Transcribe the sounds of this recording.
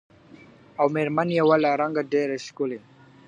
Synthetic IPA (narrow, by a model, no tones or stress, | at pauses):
awmeɾmanijawalaɾaŋɡadeɾeskuliŋ